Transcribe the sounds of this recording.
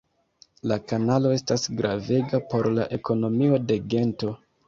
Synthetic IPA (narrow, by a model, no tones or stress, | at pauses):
lakanalo̞e̞stasɡɾave̞ɡapo̞ɾlaʔe̞ko̞no̞mio̞de̞ɡe̞nto̞